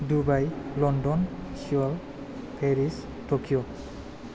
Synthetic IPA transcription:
dubajlɔndɔnsiɔl | pʰeɾis | tokijɔ

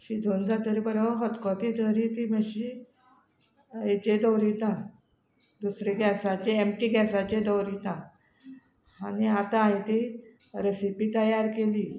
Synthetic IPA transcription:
ɕid̪ʱond͡zat̪əɾibəɾəɦɔt̪kɔt̪id̪əɾit̪iːməɕi | et͡ɕed̪əwɾit̪ã | d̪usɾeɡɛsat͡ɕeemʈiːɡɛsat͡ɕed̪əwɾit̪ã | aniat̪ãaĩt̪i | ɾesipiːt̪əjaɾkeliː

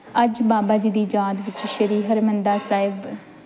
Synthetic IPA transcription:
əd͡ʒbaːbaːd͡ʒiːd̪iːd͡ʒaːd̪ʋɪt͡ʃʃəɾiːɦəɾmənd̪aːsaːɪb

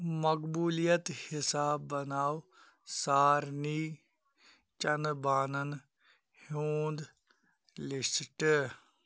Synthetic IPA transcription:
məkbuːlijət̪hɪsaːbːənaːw | saːɾniː | t͡ʃənbaːnən | hoːnd̪ | lɪsʈ

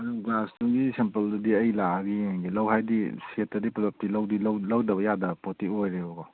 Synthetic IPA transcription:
ɐɾuɡlastuɡisempɐldɐdiɐjlaaɡiaŋɡilɐwɦajdisetːɐdiplap̚tilawdilɐwlɐwdɐbɐjadɐpotiojɾeɔɡɔ

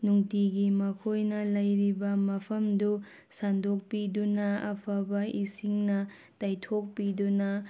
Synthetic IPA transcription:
nuŋtiɡimɐkʰojnɐlɐjɾibɐmɐpʰɐmdu | sandok̚pidunɐɐ̰pʰɐbɐʔisiŋnɐ | tajtʰok̚pidunɐ

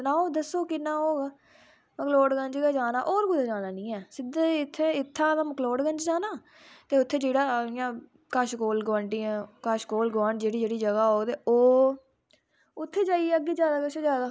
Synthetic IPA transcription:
naːoːd̪əsoːkɪnaːoː | məkloːɖɡəɲd͡ʒɡaːd͡ʒaːnaːʔoːɾɡʊd̪aːd͡ʒaːnaːnĩːɛːsɪd̪eɪt̪ʰːeːɪt̪ʰːãːt̪ãːməkloːɖɡə̃nd͡ʒd͡ʒaːnaː | t̪eːʊt̪ʰːeːd͡ʒeːɽaːɪjãː | kəʃkoːlɡʋãːɳʈiːɛ̃ːkəʃkoːlɡʋãːɳʈd͡ʒeːɽiːd͡ʒeːɽiːd͡ʒəɡaːɦoːt̪eːoː | ʊt̪ʰːeːd͡ʒaːieːəɡːiːzjaːd̪aːkəʃzjaːd̪aː

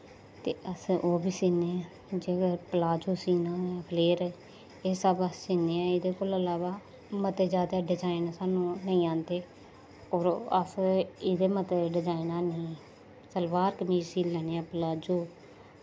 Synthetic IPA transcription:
t̪ḛːʔəsoːbiːsiːneːa | d͡ʒeːkəpəlaːd͡ʒoːsiːnaːpleːɾɛ | eːsəbəssiːneːãːɪd̪eːkoːləlaːʋaː | mət̪eːd͡ʒaːd̪aːɖɪd͡ʒaːinasaːnũːnəĩːãːnd̪eː | ɔːɾəsɪd̪eːmət̪eːɖɪd͡ʒaːinaːnĩː | səlʋaːɾkəmiːsiːlɛːneːãːpəlaːd͡ʒoː

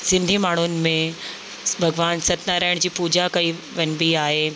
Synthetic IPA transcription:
sɪ̃nd̪ʱimaːɳ̤ʊnɪ̆mẽ | bʱɐɡʋaːnsɐt̪naɾɐɦɪɽ̃d͡ʑiːpuːd͡ʑakɐiʋɐnbiaːɦeː

